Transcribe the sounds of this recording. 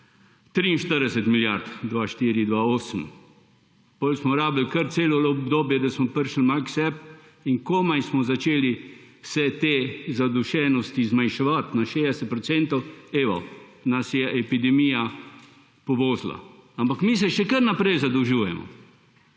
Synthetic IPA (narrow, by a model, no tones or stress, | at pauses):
t̪ɾiinʃt̪əɾd̪ɛsɛt̪miljaɾt̪d̪ʋaʃt̪iɾid̪ʋaoːsəm̩ | bolsmɔɾaːbəlkəɾt̪seːlɔlbd̪oːbjɛd̪asmɔpəɾʃəl̩maksɛp | iŋkomajsmɔzat͡ʃeːliwsɛt̪ezad̪uʃɛnɔst̪izmajʃɛʋat̪naʃedɛsɛt̪̚pɾɔsɛnt̪ɔweʋɔ̰ | nasjɛʔɛpid̪ɛmija | pɔʋoːzla̰ampakmis̬ɛʃɛkəɾnapɾɛjzad̪əwʒuːjɛ̰mɔ̰